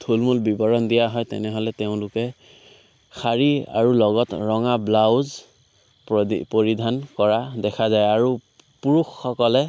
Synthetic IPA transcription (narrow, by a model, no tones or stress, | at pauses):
tʰulmulbibɔɹɔndijaɦɔjtɛ̰nɛɦɔlɛteʊ̃lʊkɛ | xaɹia̰ɹulɔɡɔtɹɔŋablawz | ppoɹidʱankɔɹadɛkʰazajaɹu | puɹuxːɔkɔlɛ